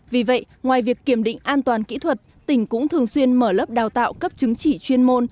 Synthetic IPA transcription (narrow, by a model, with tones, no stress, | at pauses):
vi˨˩və̰˧˨j | ŋwaː˨˩jvi˨˩əkːi˧˩əmɗḭ̈˧˨ŋ̟ʔaː˧nt̪waː˨˩nkḭ˧˥t̪ʰwə˨˩t̚t̪ï˧˩ŋ̟kʊ̰˧˥ŋ͡mt̪ʰɨ˨˩əŋswi˧ənməː˧˩ləː˦˥p̚ɗaː˨˩wt̪a̰ː˧˨wkə˦˥p̚t͡ɕɨ˨˦ŋt͡ɕi˧˩t͡ɕwi˧ənmo˧n